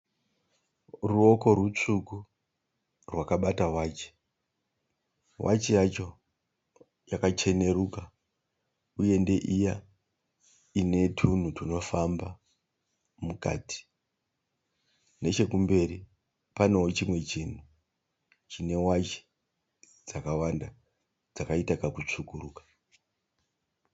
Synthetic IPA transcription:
ruo̞ko̞rut͡ʂuku | rwakaɓatawaːt͡ʃe̥ | wʔa̰t͡ʃijat͡ʃo̞ | jakat͡ʃe̞ne̞ɾuka | uje̞nde̞ʔija | ine̞tʰun̤utuno̞famba | muka̰ːti̥ | ne̞t͡ʃe̞kumbe̞ri | pano̞wot͡ʃimwe̞t͡ʃin̤u | t͡ʃine̞wat͡ʃi̥ | d͡zakawanda | d͡zakaitakakut͡ʂukuruːkḁ

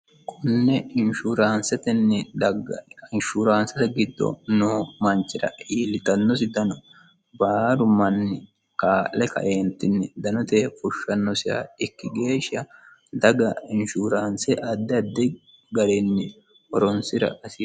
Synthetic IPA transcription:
kʰʊnːɛɪnʃuɾaːnsɛt̪ɛnːɛ | ɪnʃuːɾaːnsɛt̪ɛɡɪd̪ːɔ̰noːmɐnt͡ʃːɪɾɐ̰iːlɪt̪ɐnːɔs̬ɪd̪ɐnɔ | baːɾʊmɐnːɪ | kaːʔɛkɐ̰ʔeːnt̪ːɪnːɛd̪ɐnɔt̪ɛfʊʃːɐnːɔsɪɐ̰ɪkːɪɡe̞ːʃɐ | d̪ɐɡɐɪnʃuɾaːnsɛʔɐd̪ːɛɐd̪ːɛ | ɡɐɾɛnːɛ | ɔɾɔnsɪɾɐ̰ʔɐsɪ

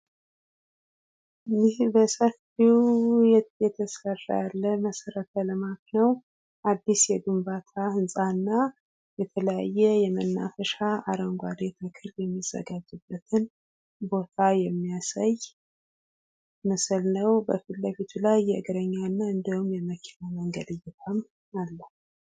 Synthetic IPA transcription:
ɨjɪhbəsəf | ijɛjɛt̪ʰəsərːa̰jalːəməsəɾət̪ʰələmaknəw | ʔad̪ːisjɛɡɨmbat̪ʰahɨnsʼanːa | jɛt̪ʰələja̰jːɛjɛmənːa̰fəʃaa̰ɾəŋɡʷad̪et̪ʰəkʰɨɾjɛmːiz̥ːə̰ɡad͡ʒːɨbːət̪ʰɨn | bo̞t̪ʰajɛmːijasaj | məsɨlnəwbəfit̪ləfit̪ʰulajːɛəɡəɾəɲːanːaɨnd̪əwumjɛməkʰi̥naməŋɡəd̪ɨjːɛt̪ʰam | alːə

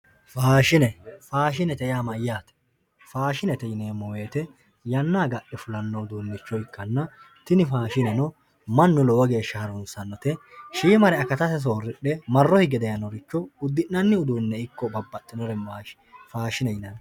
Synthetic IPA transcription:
faːʃɪnɛfaːʃɪnɛt̪ɛɪjaːmɐjːaːt̪ɛ̥ | faːʃɪnɛt̪ɛjɪneːmːɔwe̞ːt̪ɛ | jɐnːaːɡɐʔɛfʊlɐnːɔʊd̪uːnːɪt͡ʃːɔɪkːɐnːɐ | t̪ɪnɪfaːʃɪnɐnɔ | mɐnːʊlɔwɐɡe̞ːʃːɐhɐɾɔnsɐnːɔt̪ɛʃiːmɐɾɛɐkɐt̪ɐsɛs̬oːɾɪɗɛmɐrːɔhɪɡɛd̪ɛjɐnɔɾɪt͡ʃːɔʊd̪ːɪnːɐnːɪʊd̪uːnːɛɪkːɔbɐbːɐt̪ːɪnɔɾɛmaːʃ | faːʃɪnɛjɪnɐn

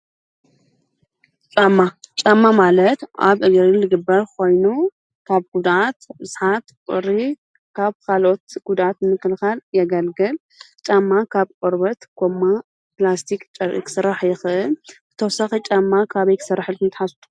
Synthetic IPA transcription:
t͡ʃʼamːat͡ʃʼamːamalɐt̪ʔa̰βʔɨɡɾilɨɡɨbːɐɾkʰo̞jnu | kʰaβɡ̥ud̪at̪bɨz̥ħat̪kʷʼʊ̰ɾi | kʰaβkʰalo̞t̪ɡ̥ud̪ʔat̪mɨkːɨlxaljɛɡɐlɡɨl | t͡ʃʼamːakʰaβkʼoɾbɐt̪ɡ̥ʰomːa | plast̪ʰikt͡ʃʼɐɾ̰kʰɨ̥sɨɾːaħjɪxʔɨlb̥ɨ̥t̪ʰɐwsɐxit͡ʃʼamːakʰaβɐjkʰɨ̥sɐrːaħɨlkʰɨnt̪ʰħast̪ʰu̥

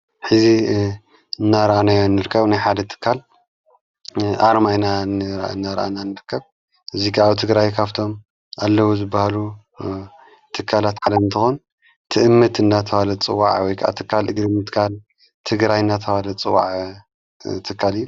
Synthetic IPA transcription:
ħɨzi | ɨnːaɾɐʔanajonːɨɾɨkʰːɐβnajħad̪ɐt̪ʰɨ̥kʰːal | ʔaɾmajnanɨnːaɾʔananɨɾɨkʰːɐβ | ʔɨzikʰaːβt̪ʰɨɡɾajkʰaβt̪ʰo̞m | alːɐwuzɨbːahalu | t̪ʰɨkʰːalat̪ħad̪ɐɨnt̪ʰɨxon | t̪ʰɨʔɨmːɨt̪ɨnːat̪ʰɐwalɐt͡sʼɨwːaʕwɔjkʰaʔa̰t̪ʰɨkʰːalɨɡɾɨmɨt̪kʰal | t̪ʰɨɡɾajɨnːat̪ʰɐwalɐt͡sʼɨwːa̰ʕ | t̪ʰɨkʰːalɨjːu

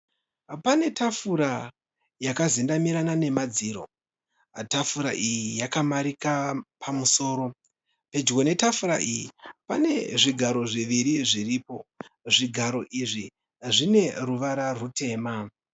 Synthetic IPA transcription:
pane̞tʰafuɾa | jakazindamiɾanane̞mad͡ziɾo̞̰ | tafuɾaʔijijakamaɾikapʰamuso̞ːɾo̞ | pe̞d͡ʒɡo̞ne̞tafuɾa̰ʔijipane̞ʐiɡʱaɾo̞ʐiʋiɾiʐiriːpo̞ʐiɡʱaɾo̞ʔiʐi | ʐine̞ruʋaɾarute̞ːma

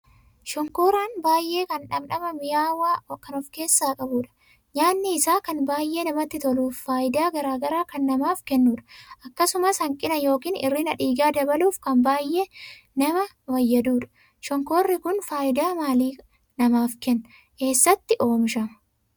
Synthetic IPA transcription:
ʃɔŋkoːɾaːnbaːjʔe̞ːkɐnᶑɐbnɐmɐmɪjaːwaːkɐnɔfke̞ːsːaːkʼɐbuːᶑɐ̥ | ɲaːnːɪːsaːkɐnbaːjʔe̞ːnɐmɐt̪ːɪt̪ɔluːfːaːʔɪd̪aːɡɐɾaːɡɐɾaːkɐnːɐmaːfkɛnːuːᶑɐ̥ʔɐkːɐsʊmɐshɐŋkʼɪnɐjo̞ːkiːnɪ̰rːiːnɐ̰ᶑiːɡaːd̪ɐbɐluːfkɐnbaːjʔe̞ː | nɐmɐ | wɐjːɐd̪uːᶑɐ̥ | ʃɔŋkoːrːɪkʊnfaːʔɪd̪aːmaːliː | nɐmaːfkɛnːɐ | ke̞ːsːɐt̪ːɪʔo̞ːmɪʃɐmɐ

